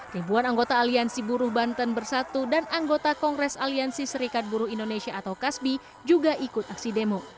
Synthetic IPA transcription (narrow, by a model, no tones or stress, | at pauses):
ribuanaŋɡot̪aːliansibuɾʊhbant̪ənbərsat̪udanaŋɡot̪akɔŋɡɾɛsaliansisəɾikat̪̚buɾʊhindonesiaːt̪awkasbi | d͡ʒuɡaʔikʊt̪̚aksidemo